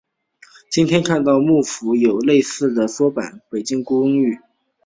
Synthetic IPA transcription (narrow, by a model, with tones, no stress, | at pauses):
t͡ɕi˥nt̪ʰjɛ˥nkʰa˥˧nt̪ɑ˥˧ʊmu˥˩fu˧˥jo˨˩ʊle˥˧ɪsɹ̩˥˩d̪ə˩swɔ˥pa̰˨˩˦npe˨˩ɪt͡ɕi˥ŋkʊ˥ə˥ŋy˥˩